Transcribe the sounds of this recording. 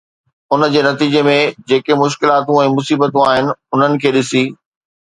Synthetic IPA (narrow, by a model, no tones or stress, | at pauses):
ʊnəd͡ʑeːnɐt̪iːd͡ʑemẽd͡ʑeːkemʊʃ̬kɪlaːt̪ũɛ̃ːmʊsiːbət̪ũaːɦɪnɪ̆ʊn̤ənɪ̆kʰeːɗɪsiː